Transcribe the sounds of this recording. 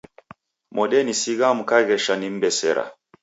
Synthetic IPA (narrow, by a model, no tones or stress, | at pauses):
mɔɗɛnisiɣam̩kaɣɛʃanim̩bɛsɛ̰ɾa̰